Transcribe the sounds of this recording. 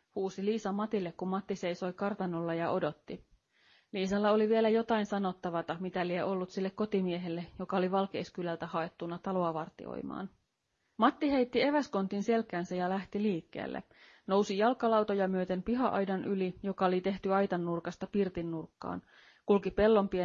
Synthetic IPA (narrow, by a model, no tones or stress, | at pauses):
huːsiliːsɑmɑt̪ilːekkummɑt̪ːise̞jso̞jkɑrt̪ɑno̞lːɑjɑʔo̞do̞t̪ːi | liːsɑlːɑo̞liʋielæjo̞t̪ɑinsɑno̞t̪ːɑʋɑt̪ɑmit̪ælieʔo̞lːut̪silːekːo̞t̪imie̞ɦelːejo̞kɑoliʋɑlkḛːskylælt̪æhɑe̞t̪ːunːɑt̪ɑlo̞ɑʋɑrt̪ḭo̰jmɑ̰ːn | mɑt̪ːiɦe̞jt̪ːie̞ʋæsko̞nt̪inse̞lkæːnsæjɑlæht̪iliːkːe̞̰ːlːʔḛ | no̞wsijɑlkːɑlɑwt̪ojɑmyøt̪e̞mpiɦɑʔɑjdɑnʔylijo̞kɑolit̪e̞ht̪yɑjt̪ɑnːurkɑst̪ɑpirt̪inːurkːɑ̰ːn | kulkipe̞lːo̞mpie